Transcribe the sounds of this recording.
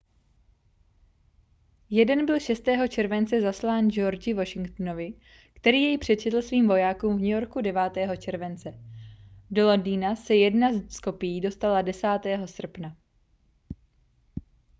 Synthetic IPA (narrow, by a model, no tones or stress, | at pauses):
jɛdɛnbɪlʃɛst̪ɛːɦo̞t͡ʃɛɾvɛnt͡sɛzaslaːnd͡ʒo̞ɾd͡ʒɪvo̞ʃɪŋkt̪no̞vɪ | kt̪ɛɾiːjɛjpr̝̥ɛt͡ʃɛt̪l̩sviːmvo̞jaːkuːmvɲɛjo̞ɾkudɛvaːt̪ɛːɦo̞t͡ʃɛɾvɛnt͡sɛ | do̞londiːnasɛjɛdnazsko̞pɪjiːdo̞st̪aladɛsaːt̪ɛːɦo̞sr̩pna